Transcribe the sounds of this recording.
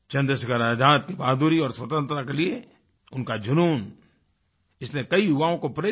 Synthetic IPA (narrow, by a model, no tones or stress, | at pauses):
t͡ʃɐ̃nd̪ɾəsɐɡəɾaːd̪ʱaːt̪̚kibaːd̪uːɾiɔːɾsʋɐt̪ə̃nt̪ɾakelie | ʊnkad͡ʒʊnuːn | ɪslekɐiɦʊʋaːõkopɾeː